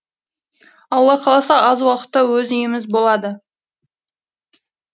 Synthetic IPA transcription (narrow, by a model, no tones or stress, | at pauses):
ɑlˠːɑqʰɑlˠɑsɑɑzwɑqə̥t̪ːɑwɵzijɪmɪzbo̞lˠɑd̪ə